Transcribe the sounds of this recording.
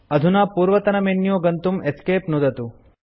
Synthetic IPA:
ɐd̪ʱunaːpuːɾʋɐt̪ɐnɐmeːnːjoːɡɐnt̪umeskeːpnod̪ʱɐt̪u

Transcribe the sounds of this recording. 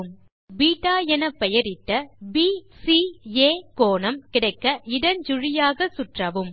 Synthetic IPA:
m | biːʈːaːjɛnɐpːɛjɐɾɪʈːɐbisieːkoːnɐmkɪɽɐɪkːɐʔɪɽɐnd͡ʒʊɻɪjaːɣɐsʊʈrɐʋɯm

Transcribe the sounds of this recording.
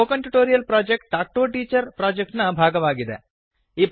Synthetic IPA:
oːkɐɳʈuʈoːɾijɐlpɾaːd͡ʒek̚ʈ̚ʈaːk̚ʈoːʈiːt͡ʃɐɾpɾaːd͡ʒek̚ʈnɐbʱaːɡɐʋaːɡid̪e | iːp

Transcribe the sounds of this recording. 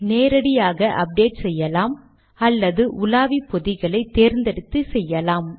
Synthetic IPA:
neːɾɐɽɪjaːɣɐʔɐp̚ɖeːʈsɛjːɐlaːm | ɐlːɐðɯʔʊlaːʋipːɔðɪɣɐɭɐɪt̪eːɾnd̪ɛɽɯt̪ːɯsɛjːɐlaːm

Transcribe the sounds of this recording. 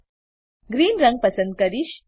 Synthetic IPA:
ɡɾiːnɾɐŋɡ̚pɐsə̃nd̪̚kɐɾiʃ

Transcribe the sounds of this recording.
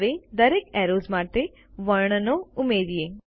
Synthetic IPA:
ʋed̪əɾeːkɛːɾoːzmãːt̪e | ʋəɾɳnoʊmeːɾieː

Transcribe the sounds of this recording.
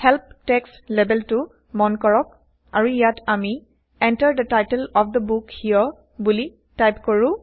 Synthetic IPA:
hɛlp̚tɛkslɛbɛltu | mɔnkɔɹɔk̚ | aɹuijatʰami | ɛ̃ntəɹd̪ətajtɛlɔfd̪əbukhiɔ | buli | tajpkɔɹũ

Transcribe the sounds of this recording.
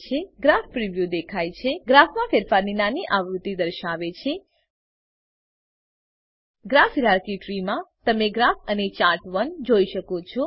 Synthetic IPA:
t͡ʃʰeɡɾafpɾiʋjud̪ekʰajt͡ʃʰeɡɾafʰmãfeɾfaɾninaniʔaʋɾut̪ːid̪əɾʃaʋet͡ʃʰe | ɡɾafɾaɾkiʈɾimãt̪əmeɡɾafʰənet͡ʃaɾʈʋənd͡ʒoiʃəkot͡ʃʰo

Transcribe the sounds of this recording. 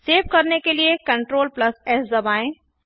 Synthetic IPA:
seːʋkɐɾnekeliekɐ̃ɳʈɾoːlplɐsɛːsd̪ɐbaːẽ

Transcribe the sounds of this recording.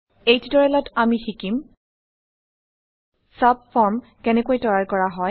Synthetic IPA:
ejtudɔɹɛlɔtamixikim | sab̚fɔɹm | kɛnɛkojtɔɹaɹkɔɹaɦɔj

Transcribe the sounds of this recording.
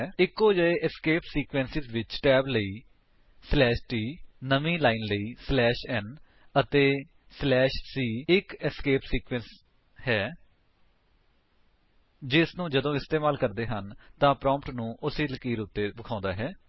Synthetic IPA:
ɪkːoːd͡ʒəeːʔɪskeːpsiːkʋɛ̃ːnsɪzʋɪt͡ʃʈɛːbləiː | slɛːʃʈiːnəmĩːlaːinləiːslɛːʃɛn | ət̪eː | slɛːʃsiːɪkɪskeːpsiːkʋɛ̃ːns | hɛː | d͡ʒɪsnũːd͡ʒəd̪õːɪst̪eːmaːlkəɾd̪eːɦənt̪ãːpɾɔ̃ːmpʈnũːʔʊsiːləkːiːɾuːt̪ːeːbɪkʰãːnd̪aːɦɛː

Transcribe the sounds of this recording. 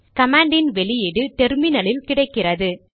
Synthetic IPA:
kɐmaːɳɖɪnʋɛɭɪjɪɽɯt̪ɛɾmɪnɐlɪlkɪɽɐɪkːɪrɐðɯ

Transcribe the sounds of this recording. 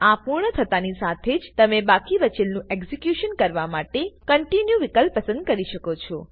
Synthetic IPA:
apuɾɳət̪ʰət̪anisat̪ʰed͡ʒt̪əmebakiʋət͡ʃelnũʔeɡzikjuʃənkəɾʋamaʈekəɳʈinjuʋikəlpːəsə̃nd̪̚kəɾiʃəkot͡ʃʰɔ

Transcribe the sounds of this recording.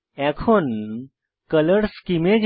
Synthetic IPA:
ɛkʰon | kələɽskimed͡ʑ

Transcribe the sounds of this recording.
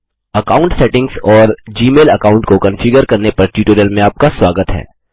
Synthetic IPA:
ɐkaːʊ̃ɳʈsɛːʈɪ̃ŋɡsɔːɾd͡ʒiːmeːlɐkaːʊ̃ɳʈkokɐ̃nfɪɡəɾkɐɾnepɐɾʈjuːʈəɾjəlmẽaːp̚kaswaːɡət̪ɦɛ̰ː

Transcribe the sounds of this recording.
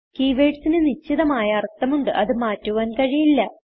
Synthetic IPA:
kiːʋeːʈsinɨnit͡ɕːiðɐmaːjɐːrt̪ːɐmuɳɖɨʔɐðɨmaːtːuʋaːnkɐɻijilːɐ

